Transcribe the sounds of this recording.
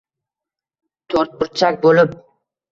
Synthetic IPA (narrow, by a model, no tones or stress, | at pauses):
t̪ʰoɾt̪̚bɪɾt͡ʃʰak̚ʲbolɪp̚